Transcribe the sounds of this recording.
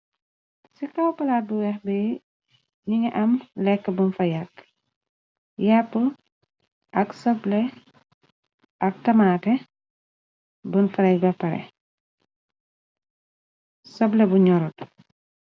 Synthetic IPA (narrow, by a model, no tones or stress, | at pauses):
sikɐwpɐlaːt̚buwɛxbɛ | ɲiŋɐʔɐmlɛkːəbunfɐjɐk | japːə | ʔɐksɐblɛ | ʔɐk̚tɐmaːtɛ | bənfɐɾɛjbɛpːɐɾɛ̰ | sɐblɛbuɲɔɾut